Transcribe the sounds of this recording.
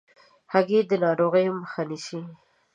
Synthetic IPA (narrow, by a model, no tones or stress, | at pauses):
haɡed̪ənɑɾoɣəjoməxaniʃi